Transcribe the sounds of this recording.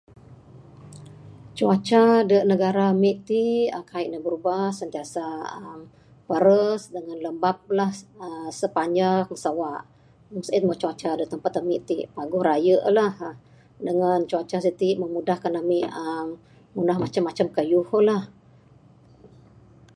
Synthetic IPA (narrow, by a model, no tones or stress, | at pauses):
t͡ʃuat͡ʃadəʔnəɡaɾamiʔt̪iəkaiʔnəbəɾubahsənt̪iasaəm | pəɾəsdəŋanləmbap̚lahəsəpaɲd͡ʒakəŋsawaʔ | oŋsəit̪̚mət͡ʃuat͡ʃadəʔt̪əmpat̪əmiʔt̪ipaɡuɾajəʔlah | dəŋant͡ʃuat͡ʃasit̪iʔməmudahkanamiʔəmː | unahmat͡ʃamːat͡ʃamkəjuholah